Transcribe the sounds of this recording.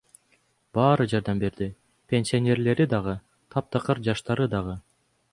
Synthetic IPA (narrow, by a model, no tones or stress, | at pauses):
bɑːɾɯd͡ʒɑɾd̪ɑmbe̞ɾd̪i | pʲe̞nʲsʲionʲe̞ɾle̞ɾid̪ɑʁɯ | t̪ʰɑp̚t̪ɑqɯɾd͡ʒɑʃt̪ɑɾɯd̪ɑʁɯ